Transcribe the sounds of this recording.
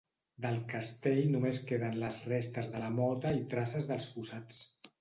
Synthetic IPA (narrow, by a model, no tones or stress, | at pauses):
d̪əlˠkəst̪eʎnumeskeðənləzrest̪əzðələmɔt̪əit̪ɾasəzðəlˠspusat͡s